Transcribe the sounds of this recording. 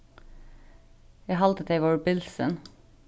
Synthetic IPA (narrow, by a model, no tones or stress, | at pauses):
jæɦɑlt̪ət̪ʰeɪʋɔɹbɪlsə̰n